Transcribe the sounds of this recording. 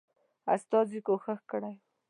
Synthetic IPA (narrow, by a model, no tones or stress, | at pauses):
a̰st̪ɑzikoxəxkɽaj